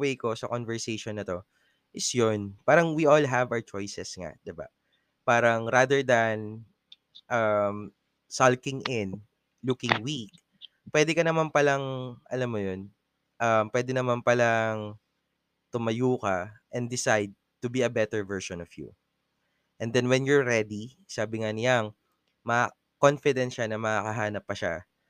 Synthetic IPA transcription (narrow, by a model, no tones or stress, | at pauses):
wejko̞sɐ̰konvɛɹsejʃonːɐt̪o̞ | ʔɪsjonpaːɾɐŋwiʔolɦɐvɐwt͡ʃojsɛsŋa̰d̪ɪba̰ | paːɾɐŋɾad̪ɛɹd̪ɐn | ʔɐm | salkɪ̃ŋʔɪn | lukɪ̃ŋwik̚ | pwɛd̪ɛkɐnɐmanpɐlɐŋʔɐ̰lamːojon | ʔɐmpwɛd̪ɛnɐmanpɐlaŋ | t̪ʊmɐjuːkɐʔɛ̃nd̪ɪsajd̪̚t̪ʊbiɐbɛt̪ɛɹvɛɹʃɔnɔfjṵ | ʔɛnd̪ɛnwɛnjɔɹːɛd̪i | saːbɪŋanɪjaŋ | mɐa | konfɪd̪ɛnt̪ʃanɐmɐkakɐɦaːnɐpːɐʃa̰